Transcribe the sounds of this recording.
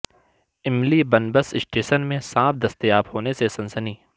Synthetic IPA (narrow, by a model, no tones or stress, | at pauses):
ɪmlibɐnbəsɪsʈeːʃənmẽsãːfd̪ɐst̪ijaːbhoːnesesɐ̃nsəniː